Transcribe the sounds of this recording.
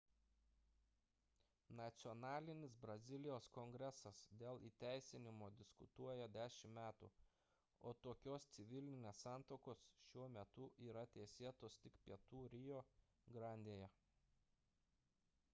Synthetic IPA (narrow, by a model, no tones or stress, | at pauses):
nɐt̪sʲɪɔnɑːlʲɪnʲɪsbɾɐzʲɪlʲɪjoːskɔŋʲɡɾʲɛsɐsd̪ʲeːlˠiːt̪ʲæˑɪsʲɪnʲɪmoːd̪ʲɪskʊt̪uɔjɛd̪ʲæːʃʲɪmmʲæːt̪ṵ | oːt̪oːkʲoːst̪sʲɪʋʲɪlʲnʲɪnʲeːsːɑˑnt̪oːkoːsʃʲuɔmʲɛt̪ʊʔiːɾɐt̪ʲɛːsʲeːt̪oːst̪ʲɪkpʲiɛt̪uːɾʲɪjoː | ɡɾɑnʲd̪ʲeːjɛ